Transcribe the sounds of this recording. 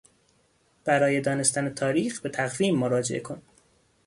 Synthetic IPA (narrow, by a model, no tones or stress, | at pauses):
b̥æɾɒːjed̪ɒːne̞st̪ʰænet̪ʰɒːɾiːxbe̞t̪ʰæɣviːmːoɾɒːd͡ʒḛʔekʰon